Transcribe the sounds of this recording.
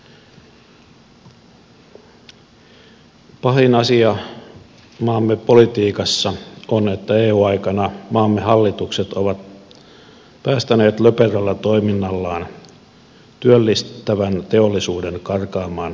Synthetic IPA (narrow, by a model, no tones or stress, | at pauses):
pɑɦinɑsiɑ | mɑːmːepo̞lit̪iːkɑsːɑone̞t̪ːæeːuːɑjkɑnɑmɑːmːeɦɑlːit̪ukset̪oʋɑt̪ | pæːst̪æne̞ːt̪løperølːɑt̪o̞iminːɑlːɑːn | t̪yølːist̪ːæʋænt̪e̞olːisuːde̞ŋkɑrkɑːmɑːn